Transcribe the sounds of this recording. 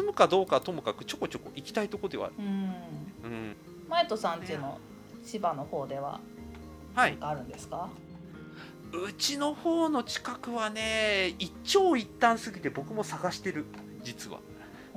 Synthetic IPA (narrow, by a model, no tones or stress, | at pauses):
ɨmɯ̟kad̪o̞ːkat̪o̞mɯ̟kakɯ̟̥t͡ɕo̞ko̞t͡ɕo̞ko̞ʔikʲi̥t̪ait̪o̞kod̪e̞βa̰ɾɯ | ɯ̟̃ɴ | maet̪osãntɨːno̞̰ | ɕibanoho̞ːd̪e̞βa̰ | haiɡaːɾɯ̟̃nd̪e̞sɨ̥ka | ɯ̟t͡ɕino̞ho̞ːno̞t͡ɕi̥kakɯ̟βane̞i | t͡ɕo̞ːit̪ːãɰ̃sɨɡʲit̪e̞bo̞kɯ̟mo̞saɡaɕi̥t̪e̞ɾɯ̟ | d͡ʑit͡sɨβa̰